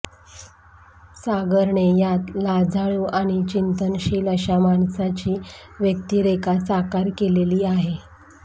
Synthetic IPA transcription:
saɡəɾɳejat̪lad͡zʱaɭuːʔaɽ̃it͡ɕint̪ənɕiːləɕamaɳsat͡ɕiːʋjək̚t̪iːɾekasakaɾkeleliːaɦe

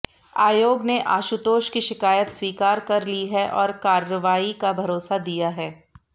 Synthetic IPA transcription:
aːjoːɡneʔa̰ːʃut̪oːʃkiʃɪkaːjət̪swiːkaːɾkɐɾliɦɛʔɔːɾkaːɾəʋaːikabʱɐɾoːsad̪ijaɦɛː

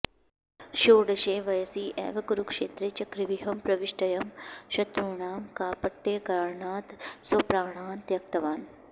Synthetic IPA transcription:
ʃoːɽɐʃẽːʋɐjɐsiːʔḛːʋɐkuɾukʂeːt̪ɾet͡ʃɐkɾiʋiɦɐmpɾɐʋiʂʈɐjɐmʃɐt̪ɾuːɳaːmkaːpɐʈːeːkaːɾɳaːt̪sʋɐpɾaːɳaːnt̪jɐk̚t̪ɐʋaːn

